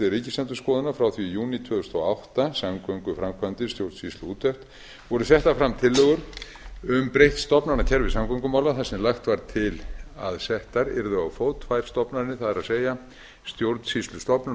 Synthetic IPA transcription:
ɪɾiːcɪslɛnt̪ʏskɔːðɪnafɾawθvijuːnit̪ʰvœːðʏst̪ɔawht̪asamkœŋkʏfɾamkʰant̪ɪst̪jowɾt̪sist̪lʏuːt̪ʰœft̪ | vɔɾʏθjɛht̪afɾamt̪ʰɪlːœːɣʏɾ | ʏmpɾejht̪st̪ɔpnaɾnacʰɛɾvɪsawmkʰœŋkʏmaːwlaθasɛmlaxt̪vaɾt̪ʰɪlaðsɛht̪aɾɪ̰ɾðʏawfoːwt̪fajɾ̥st̪ɔpnaɾɪnɪθaðɛɾaðseːja | st̪jowɾt̪n̥sist̪lʏst̪ɔpna

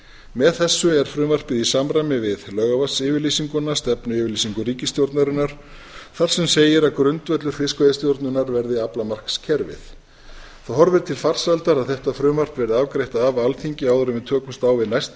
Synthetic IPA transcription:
mɛðθɛsːʏɛɾ̥fɾʏːmar̥pɪðisamɾajmɪvɪðlœːɣavasɪvɪɾlisiŋkʏnːast̪ɛpnʏɪːvɪlisiŋkʏriːcɪst̪jowɾt̪naɾɪnaɾ̥ | θaɾ̥sɛmseːjɪɾakɾʏnt̪vœt̪lʏɾ̥fɪskvɛðɪst̪jowɾt̪nʏnaɾvɛɾðɪaplamar̥kscʰɛɾvɪ̰θ | θaɦɔɾvɪɾt̪ʰɪlfar̥salt̪aɾaðθɛht̪afɾʏːmar̥pvɛɾðɪavkɾejht̪aːvalθiɲcɪaːwðʏɾʏmɪt̪ʰœːkʏst̪awvɪðnajst̪

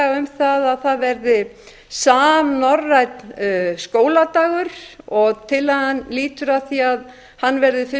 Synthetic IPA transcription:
ʏmθaðaðθaðvɛɾðɪ | saːmnɔrːajt̪nskoːwlat̪aːɣʏɾ̥ɔɣt̪ʰɪlaðhanliːt̪ʏɾaθiað | hanːvɛɾðɪfɪ

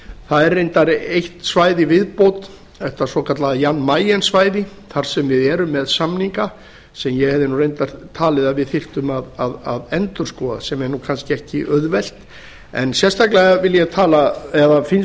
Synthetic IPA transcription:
θaðɛɾːejnt̪aɾejht̪svaːjðɪvɪðpowt̪ | ɛht̪asɔkʰat̪laðjanːmaːjɛnsvaːjðɪ | θaɾ̥sɛmvɪðɛːɾʏmːɛðsamniŋka | sɛmjɛɣhɛvðɪnurejnt̪aɾ̥t̪ʰaːlɪðaðvɪðθɪr̥t̪ʏmaðaðaðɛnt̪ʏɾ̥skɔːðasɛmɛɾnukʰanscɪɛhcɪʔœðvɛl̥t̪ | ɛnsjɛst̪aklɛɣavɪljɛt̪ʰaːlaɛðafɪns

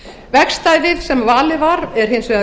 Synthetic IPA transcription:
vɛkst̪aːjvɪðsɛmvaːlɪvaɾɛɾ̥hejnsvɛa

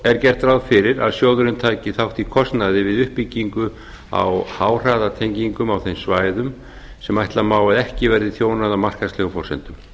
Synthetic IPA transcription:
ɛɾcɛr̥t̪ɾawðfɪɾɪɾaðsjoːwðʏɾɪnt̪ʰaːjcɪθawht̪ikʰɔst̪naðɪvɪðʏhpːicːiŋkʏ | a̰whaːwr̥aːðat̪ʰejɲciŋkʏmawθejmsvaːjðʏm | sɛmajht̪lamaːwaðɛhcɪvɛɾðɪθjoːwnaðamar̥kaslɛɣʏpʰɔrsɛ̰nt̪ʏm

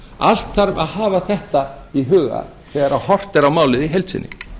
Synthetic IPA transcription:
a̰l̥t̪θaɾvaðhaːvaθɛht̪aiɦʏːɣa̰ | θɛɣaɾawhɔr̥t̪ɛɾawmaːwlɪðiɦejlt̪sɪ̰nːɪ̰

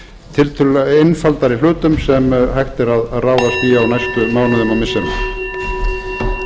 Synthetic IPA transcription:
t̪ʰɪlt̪ʰʏejnfalt̪aɾil̥ʏːt̪ʏmsɛmhajxt̪ɪɾaðaðraːwðasθiawnajst̪ʏmaːwnʏðʏmawmɪsːɛna

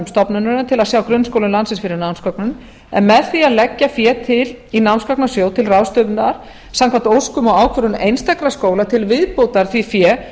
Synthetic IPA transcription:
mst̪ɔpnanʏnat̪ʰɪlaðsjaːwkɾʏnːskowlʏnlansɪsfɪɾɪɾnawnskɔknʏn | ɛ̰nmɛðθiaðlɛcːafjɛːt̪ʰɪl | inawnskɔk̚nasjoːwt̪ʰɪlrawst̪œːpʏnt̪aɾ̥ | sãmkʰvant̪owskʏmɔɣaːwkʰvœɾʏnejnst̪ʰakɾaskoːwlat̪ʰɪlvɪðpowt̪aɾ̥θvifjɛː

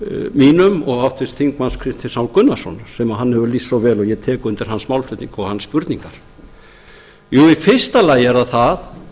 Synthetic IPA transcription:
miːnʏmɔɣawft̪vɪst̪θiŋkmanskʰɾɪst̪θɪsawlkʏnːasɔnsɛmaɦanːhɛvʏlisːɔwvɛːlɔɣjɛt̪ʰɛːkʏʏnt̪ɪɾ̥ɦansmawlflʏt̪niŋkɔɣhanspʏɾt̪niŋkaɾ̥ | juːifɪr̥st̪alaːjɪɛɾðaθað

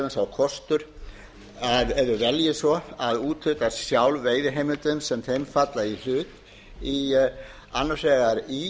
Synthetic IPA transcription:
ɪnsawkʰɔst̪ʏɾ̥ | aðɛɾðʏvɛljɪsvɔaðuːt̪lʏt̪ḁsjawlveːjðɪɦeːjmʏnt̪ʏnsɛmθejmfat̪lail̥ʏːt̪ | i | anːasɛːɣaɾi

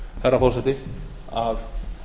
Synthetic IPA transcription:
θɛɾːafɔr̥sɛt̪ɪ | av

